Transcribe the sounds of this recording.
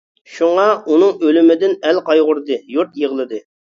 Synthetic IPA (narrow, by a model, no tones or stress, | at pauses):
ʃuŋɑunɨŋølɪmɪd̪ɪnɛlqʰɑjʁʊɾd̪ɨjuɾt̪jəʁlˠɨd̪ɨ